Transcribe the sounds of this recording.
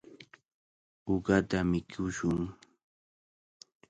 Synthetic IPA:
ʊɢat̪amɪkʰʊʃʊŋ

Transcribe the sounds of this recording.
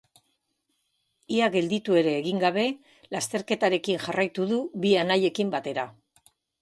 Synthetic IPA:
iaɣe̞ld̪it̪ue̞ɾe̞ːɣiŋɡaβ̞e̞ | last̪e̞ɾke̞t̪aɾe̞kinʝarajt̪uðuβianaje̞kimbat̪e̞ɾa

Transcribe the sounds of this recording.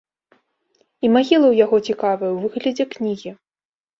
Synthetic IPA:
imaɣʲilˠɐwjaɣɔt͡sʲikavɐjɐwvɨɣlʲɐd͡zʲɛknʲiɣʲi

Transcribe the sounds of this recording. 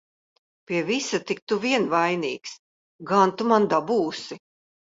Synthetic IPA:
piɛvisat̪ik̚t̪uviɛnvajniːks | ɡant̪umand̪abuːsi

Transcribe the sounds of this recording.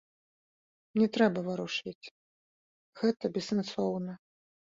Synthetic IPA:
nʲɛt̪ɾɛbɐvɐɾuʂɨt͡sʲ | ɣɛt̪ɐbʲɛsːɐnsɔwnɐ

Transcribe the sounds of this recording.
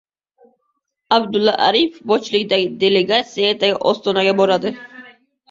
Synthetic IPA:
abd̪ʊlˠːaʔaɾifbɒt͡ʃlˠɪɡʲɪd̪aɡʲɪd̪e̞leɡat̪sijaet̪aɡʲɪʔɒst̪ɒnaɡʲabɒɾad̪ɪ

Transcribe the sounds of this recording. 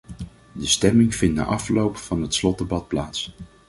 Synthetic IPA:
dəstɛmɪŋv̥ɪndə̰ʔɑflowpfɑnɦətslɔd̚dəbɑt̚plaːts

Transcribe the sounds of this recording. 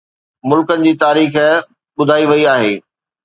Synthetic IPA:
mʊlkənɪ̆d͡ʑiːt̪aːɾiːx | ɓʊd̪ʱaːiʋɐiaːɦeː

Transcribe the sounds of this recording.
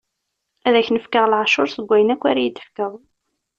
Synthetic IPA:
æðæçnəfkəʁlʕʃʊɾsəɡʷːæjənækʷːaɾæjit̪ːə̥fkəðˤ

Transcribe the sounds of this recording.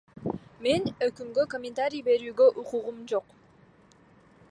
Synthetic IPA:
me̞nøkymɡø̞komʲɪnt̪aɾʲijbe̞ɾyːɡø̞ʔuquʁumd͡ʒo̞q

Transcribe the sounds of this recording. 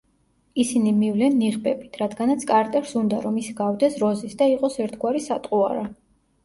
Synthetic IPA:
isinimivlɛnːiʁbɛbit̪ʰɾad̪ɡanat̪sʰkʼaɾt̪ʼɛɾsund̪a̰ɾɔmisɡavd̪ɛsɾɔzisd̪aiqʼɔsɛɾt̪ʰɡwaɾisat̪ʼqʼua̰ɾa

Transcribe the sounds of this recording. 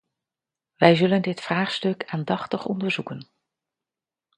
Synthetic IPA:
ʋɛjzɵləndɪtfraːχstɵkaːndɑχtəχɔ̰ndəɹzukən

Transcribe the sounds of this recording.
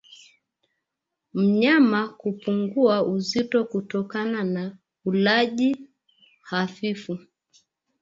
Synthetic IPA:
m̩ɲamakupuŋɡuauzitɔkutɔkanana | ulaʄi | hafifu

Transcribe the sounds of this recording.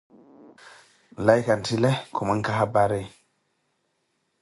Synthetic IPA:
lajkantilekʰuməŋkaɦabaɾe

